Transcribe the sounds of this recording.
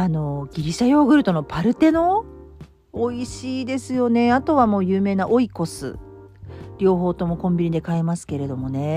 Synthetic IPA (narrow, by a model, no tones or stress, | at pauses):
ano̞ɡʲiɾʲiɕajo̞ːɡɯ̟ɾɯ̟t̪o̞no̞pʰaɾɯ̟t̪e̞no̞ | iɕiːd̪e̞sɨjo̞ne̞at̪o̞βamo̞ːjɯːme̞ːnaʔo̞iko̞sɨ̰ | ɾʲo̞ːɦo̞ːt̪o̞mo̞kõ̞mbʲiɲid̪e̞kae̞masɨ̥ke̞ɾe̞d̪o̞mo̞ne̞